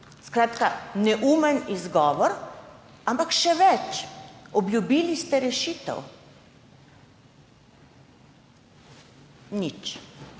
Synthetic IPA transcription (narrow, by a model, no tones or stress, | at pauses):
skɾaːt̪kanɛʔuːmɛnizɡɔːʋɔɾ | ampakʃɛʋɛt͡ʃɔbljubiːlist̪ɛɾɛʃiːt̪ɛ̰w | nit͡ʃ